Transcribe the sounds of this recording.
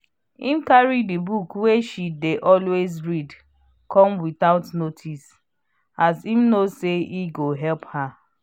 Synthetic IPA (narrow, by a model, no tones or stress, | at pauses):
ĩmkaɹidibukweʃideʔɔlwezɹid | kʰɔ̃mwiθaʊtnotʰis | azimnoseiɡoɦɛlpha